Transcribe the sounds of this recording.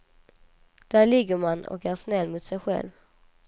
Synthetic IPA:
d̪̥æːɾɭɪɡːəɾmanɔ̰kæʂnɛlːmʊːt̪sɛjɧɛ̰lv

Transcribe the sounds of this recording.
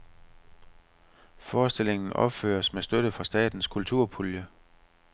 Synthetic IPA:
fɒːsd̥e̝le̝ŋn̩ʔɒ̽b̥fø̰ːɐsmesd̥øɾ̥əfɑ̈sd̥ɛ̰ːd̥n̩skʰult͡sʰuɐ̰pʰuljə

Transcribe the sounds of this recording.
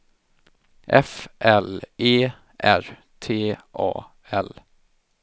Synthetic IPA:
ʔɛfʔɛleː | ʔæɾ | t̪ʰeːʔɑ̰ː | ɛl

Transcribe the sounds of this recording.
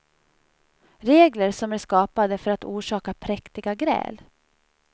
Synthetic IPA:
ɾeːɡləɾʂɔmæʂkɑːpad̪əfœɾat̪uːʂɑːkapʰɾɛkt̪ɪɡaɡɾɛ̰ːl

